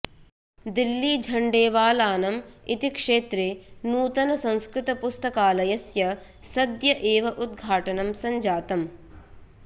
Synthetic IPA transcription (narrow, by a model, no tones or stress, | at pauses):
d̪ilːid͡ʒʱɐɳɖeːʋaːlaːnɐmit̪ikʂeːt̪ɾeːnuːt̪ɐnɐsɐ̃nskɾɪt̪ɐpust̪ɐkaːlɐjɐsjɐ | sɐd̪jɐʔeːʋɐʔud̪̚ɡʱaːʈɐnɐmsɐɲd͡ʒaːt̪ɐm